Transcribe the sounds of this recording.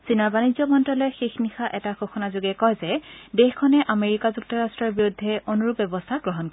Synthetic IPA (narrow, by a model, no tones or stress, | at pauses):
sinaɹbanizɔmɔntɹɔlɔjxexnixaʔɛtaxoxʰɔnazuɡɛkɔjzɛdexkʰɔnɛʔameɹikazuk̚tɔɹastɹɔɹbiɹudʱːɛonuɹupbɛbɔstʰaɡɹɔɦɔnkɔ